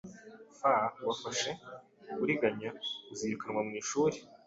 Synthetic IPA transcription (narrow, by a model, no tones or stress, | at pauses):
fawafaʃe̞ | ɡuɾiɡaɲaziɾukanŋwamŋiːʃuːɾe